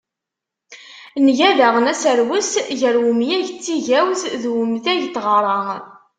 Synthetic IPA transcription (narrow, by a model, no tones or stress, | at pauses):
nʝæðæʁənæsəɾwəsʝəɾwəmjæʝt͡sːiʝæwzðwəmðæʝt̪ːʁəɾˤɑ